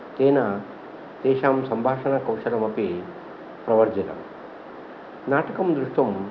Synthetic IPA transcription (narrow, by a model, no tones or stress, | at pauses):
t̪eːnɐ | t̪ɛːʃaːmsɐmbʱaːʂɐnɐkɐwʂɐlɐmɐpi | pɾɐʋɐɾd͡ʒɐt̪ɐ̰m | naːʈɐkɐmd̪ɾuʂʈʋɐm